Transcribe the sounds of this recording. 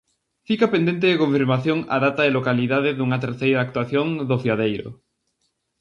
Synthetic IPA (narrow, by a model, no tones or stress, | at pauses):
fikapend̪ent̪eðekõɱfiɾmaθjoŋa̰ðat̪aelokaliðaðɪðuŋɐt̪eɾθejɾaːk̚t̪waθjoŋd̪ofiað̞ejɾo̰